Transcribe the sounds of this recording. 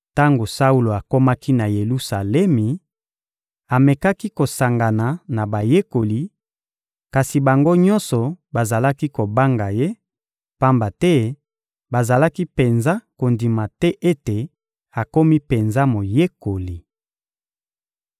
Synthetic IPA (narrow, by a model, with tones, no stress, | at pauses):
ta˦ŋɡo˨sa˦u˦lo˨a˨ko˦ma˦ki˦na˨je˨lu˦sa˨lɛ˦mi˨ | a˨me˨ka˦ki˦ko˨sa˨ŋɡa˨na˨na˨ba˨je˦ko˨li˨ | ka˨si˨ba˨ŋɡo˦ɲɔ˦nsɔ˨ba˨za˨la˦ki˦ko˨ba˦ŋɡa˨je˦ | pa˦mba˨tɛ˦ | ba˨za˨la˦ki˦pe˨nza˦ko˨ndi˨ma˨tɛ˦ʔe˦te˨ | a˨ko˦mi˦pe˨nza˦mo˨je˦ko˨li˨